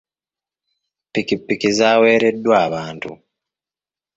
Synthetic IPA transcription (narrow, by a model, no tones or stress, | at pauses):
pːikipːikizaːwe̞ːɾe̞dːwaːβaːntṵ